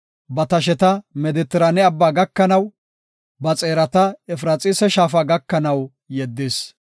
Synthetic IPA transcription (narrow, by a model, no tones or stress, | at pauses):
bɐt̪ɐʃ̬ɛt̪ɐmɛd̪ɪt̪ːɪɾɐnɛɐbːaːɡɐkːɐnɐw | bɐt͡sʼe̞ːɾɐt̪ɐɛfɾaːt͡sʼɪsɛʃaːfaːɡɐkːɐnɐw | jɛd̪ːes